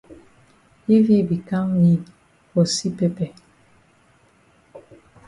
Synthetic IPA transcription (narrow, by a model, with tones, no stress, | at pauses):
i˦vi˦bi˨ka˦ŋɲi˨ | bɔ˨si˦pɛ˦pɛ˨